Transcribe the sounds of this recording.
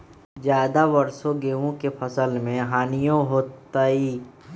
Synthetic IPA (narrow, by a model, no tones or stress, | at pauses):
d͡ʒjaːd̪abɐɾsõɡeːʋõkepʰɐsəlmẽɦaːnijõɦoːt̪ːaːiː